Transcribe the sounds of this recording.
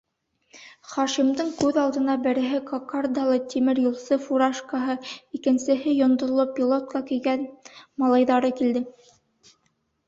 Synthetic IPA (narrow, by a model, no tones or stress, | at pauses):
χɑʃimd̪ɤŋkʉðɑlˠd̪ɤ̆nɑbɘ̆ɾɘ̆ɦɘkokard̪ɑlˠɤt̪imɘɾjulˠsɤfuɾaʃkɑɦɤikɘ̆nsɘ̆ɦɘjŏnd̪ŏɾlˠopʲːilˠot̪̚kɑkɘ̆jɡænmɑlˠɑjðɑɾɤkild̪ɘ